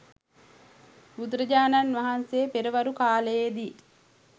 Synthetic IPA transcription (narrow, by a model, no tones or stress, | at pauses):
bud̪ɾəd͡ʒaːnanʋaɦanseːpeɾəʋaɾukaːləjed̪i